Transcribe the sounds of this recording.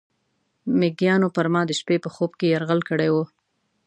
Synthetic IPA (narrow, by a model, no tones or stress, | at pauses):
mɪɡjɑnopəɾmɑd̪əʃpepəxob̚kejaɾɣəlkəɽewo